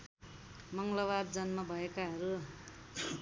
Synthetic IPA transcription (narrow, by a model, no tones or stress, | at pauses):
mʌŋɡlʌβad̪d͡zʌnmabʱʌekaɦʌɾu